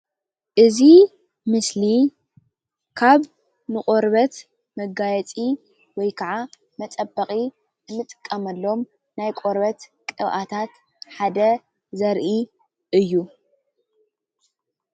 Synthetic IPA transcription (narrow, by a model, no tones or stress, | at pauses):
ʔɨzi | mɨsli | kʰaβ | nɨχʼoɾbɐt̪ | mɐɡajɛt͡sʼi | wɔjkʰɐʕa | mɐt͡sʼɐbːɐχʼi | nɨmːɨt̪ʼɨ̥kʼːɐmɐlːo̞m | najkʼoɾbɐt̪kʼɨβʔat̪ʰat̪ | ħad̪ɐ | zɐɾʔi | ʔɨjːu